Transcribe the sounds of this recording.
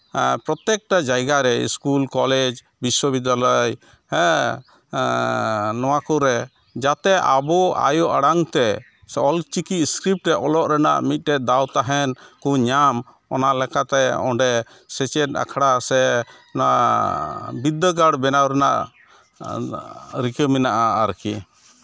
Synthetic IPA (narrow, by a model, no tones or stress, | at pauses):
pɾɔt̪ɛk̚ʈad͡ʒajɡaɾɛḭskulkɔled͡ʒ | biswəbid̪ːalaj | ɛ | nɔwakɔɾɛ | d͡ʒat̪ɛʔa̰bɔa̰jɔʔaɽaŋt̪ɛ | ɔlt͡ʃikiskɾip̚ʈɾɛʔɔlɔʔɾɛna̰ʔmit̪̚ˀʈɛd̪awt̪aɦɛnkuɲam | ɔnalɛkat̪ɛɔ̰ɖɛ | sɛt͡ʃɛta̰kʰaɽasɛ | na | bid̪ːəɡaɽbɛnawɾɛna̰ʔ | ɾikəminaʔaːɾki